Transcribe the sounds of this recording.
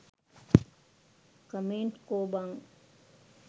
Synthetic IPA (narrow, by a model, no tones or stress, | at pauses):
kəmẽːɳʈkoːbaŋ